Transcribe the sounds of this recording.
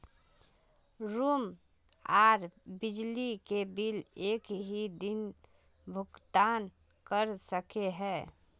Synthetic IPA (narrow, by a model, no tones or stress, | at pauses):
ɾuːm | aːɾbɪd͡ʒlikebɪleːkɦid̪ɪn | bʱʊɡt̪aːn | kəɾsəkeɦɛː